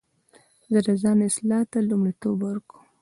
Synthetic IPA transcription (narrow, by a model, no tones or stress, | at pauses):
zəd̪azɑnɪslɑt̪alumɽit̪obwaɾku